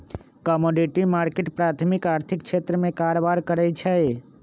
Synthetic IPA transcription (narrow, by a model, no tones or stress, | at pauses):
kɔmoɖiʈimaːɾkeʈpɾaːt̪ʰmikaːɾt̪ʰikt͡ʃʰet̪ɾəmẽkaɾbaɾkəɾɛt͡ʃʰɛ